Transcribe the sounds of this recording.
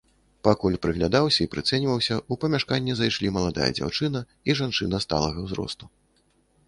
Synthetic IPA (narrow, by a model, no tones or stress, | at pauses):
pakulʲpɾɨɣlʲad̪awsʲɐipɾɨt̪sɛnʲvɐwsʲɐupɐmʲaʂkanʲːɛzajʂlʲimɐlˠad̪a̰jɐ̰d͡zʲa̰wt͡ʂɨnɐ | iʐant͡ʂɨnɐst̪a̰lˠɐɣɐwzɾɔ̰st̪u